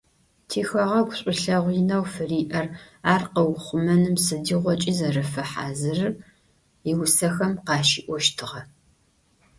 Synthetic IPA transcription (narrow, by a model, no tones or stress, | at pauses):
tʰiːxɐʁɐɡʷʊɕʼʊɬɐʁʷinɐwfɨriːʔɐraːrqɐwχʷʊmɐnɨmsɨdiːʁʷɔt͡ʃʼizɐrɨfɐħa̰ːzɨrɨr | jɪwʊsɐxɐmqɑːʃiʔʷɔʃtʰɨʁɐ